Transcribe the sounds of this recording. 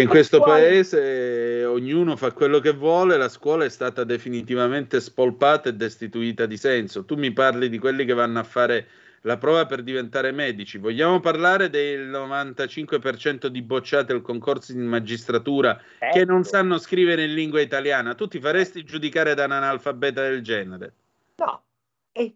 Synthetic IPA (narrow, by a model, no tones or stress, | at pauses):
iŋkwest̪opaeːzeoɲːuːnofakwelːokevːwɔːlelaskwɔːlaɛst̪aːt̪ad̪efinit̪ivament̪espolpaːt̪aed̪ːest̪it̪uiːt̪ad̪isɛnsot̪umːiparlid̪ikwelːik̟evːanːoafːaːɾe | lapɾɔːvaperd̪ivent̪aːɾemɛːd̪it͡ʃivoʎːaːmoparlaːɾed̪ejlnovant̪at͡ʃiŋkwepert͡ʃɛnt̪od̪ibot͡ʃːaːt̪ealkoŋkort̪soimad͡ʒist̪ɾat̪uːɾa | kenːonsanːoskɾiːveɾeinlːiŋɡwait̪aljaːnat̪ut̪ːifaɾest̪id͡ʒud̪ikaːɾed̪ananalfabɛːt̪ad̪eld͡ʒɛːneɾe